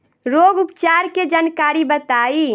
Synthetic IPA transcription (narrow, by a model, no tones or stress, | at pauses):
ɾoɡupt͡ʃaɾked͡ʒankaɾibət̪ai